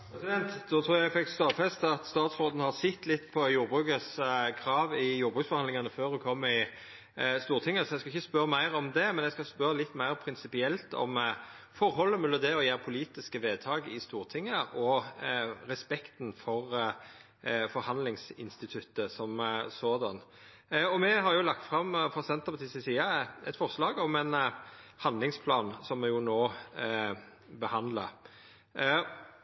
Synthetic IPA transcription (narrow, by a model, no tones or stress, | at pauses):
ɾɛsɪd̪ɛnt̪d̪ɔːt̪ʰɾuːɾjæɪfɪkːst̪oːfɛst̪ɑt̪st̪ɑːt̪sɾoːd̪nhɑɾsɪt̪ːlɪt̪ːpʰɔjuːɾbʁʉːkəskʰɾɑːʋɪjuːɾbʁʉːksfɔɾʁɑnd̪ɪŋɑnəføːɾʉkʰɔmːɪ | st̪uːɾt̪ʰɪŋːəsɔjæskɑɪçːəspœɾəmæɪɾɔmd̪ɛmɛnjæskɑspœɾlɪt̪ːmæɪʁpʰɾɪnsɪpɪɛlt̪ɔ̰m | fɔɾhɔlːəmɛlːəd̪ɛɔjæːɾpʰʊliːt̪ɪskəʋeːd̪̚t̪ʰɑːɡɪst̪uːɾt̪ʰɪŋːəʔɔ | ɾɛspɛkt̪n̩fɔʁ | fɔɾhɑnlɪŋsɪ̰nst̪ɪt̪ʰʉt̪ːəsɔmsoːd̪ɑn | ɔmɛɦɑɾjʊlɑkt̪fɾɑmfɾɑsɛnt̪əpɑt̪ʰɪsəsiːɑɛ̰t̪fɔʁslɑːɡɔmɛnhɑnd̪lɪŋspʰlɑːnsɔmɛjʊnoː | bəhɑnd̪lɑ